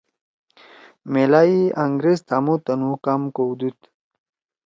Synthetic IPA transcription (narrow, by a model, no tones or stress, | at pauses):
melaiaŋɡɾezt̪amut̪ɐnukamkowd̪ut̪